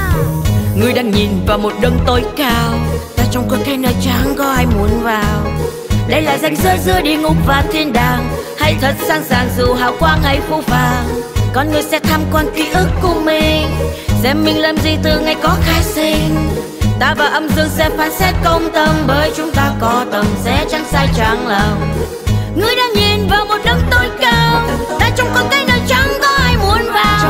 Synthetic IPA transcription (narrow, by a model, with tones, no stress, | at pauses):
ŋɨ˨˩əjɗaː˧ŋɲi˨˩nvaː˨˩wmo˨˩t̚ɗə˧ŋt̪o˨˦jkaː˧wlaː˨˩t͡ɕa˧wŋ͡mkɔ˨˧˩kə˨˧˦nəː˧˩jt͡ɕaː˨˦ŋkɔ˧˦ʔaː˧jmu˨˦ənvaː˨˩w | ɗə˧jlaː˨˩za˧˩jŋ̟zɨ˧˦zɨ̰˧˥əɗi˧əŋʊ˨˧˥k͡p̚vaː˨˩t̪ʰi˧ənɗaː˨˩ŋ | ha˧jt̪ʰə˨˩t̚saː˧ŋsaː˨˩ŋzɨ˧˩ɦaː˧˨˩wkwaː˧ŋhə˧˩jfu˧˩faː˨˩ŋkɔ˨˧˦nŋɨ˧əjsɛ̰˧˥t̪ʰaː˧mkwaː˧nk̪i˧˦ʔɨ˦˥əkːʊ˧˩mi˧˩ŋsɛ˧mːï˧˩ŋ̟laː˨˧˩mzi˧˩t̪ɨ˨˩ŋa˧˩jkɔ˨˦xaː˧jsi˧ŋ | t̪aː˧˩vaː˨˩ʔə˧mzɨ˧əŋsɛ˧˥faː˨˦nsɛ˦˥t̚kə˧wŋ͡mt̪ə˧mɓəː˨˦jt͡ɕʊ˨˦ŋ͡mt̪aː˧kɔ˨˦t̪ə˨˩mzɛ̰˧˥t͡ɕa˧ŋsaː˧jt͡ɕa˨˩ŋləː˨˩w | ŋɨ˨˧˩əjɗa̰ː˧˥ɲi˨˩nvaː˨˩wmo˨˩t̚ɗə˧ŋ͡mt̪o˧˦jkəː˧wt̪aː˧˥t͡ɕʊ˧˨˦wŋ͡mkɔ˨˦nkaː˨˦jnəː˨˦jt͡ɕa˨˦ŋt̪ɔ˧˦ha˧jmu˨˦ənvaː˨˩w